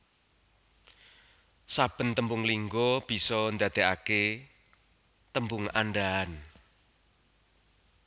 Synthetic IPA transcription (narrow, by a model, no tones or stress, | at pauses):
sab̥ə̤nt̪əmbʊŋliŋɡɔb̥i̤sɔnd̪a̤d̪̥e̤ʔake | t̪əmbʊŋa̰nɖaan